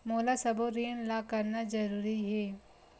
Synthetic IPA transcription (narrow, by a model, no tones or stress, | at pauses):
moːlasɐboɾiːnlakɐɾnazɐɾuːɾiɦɛː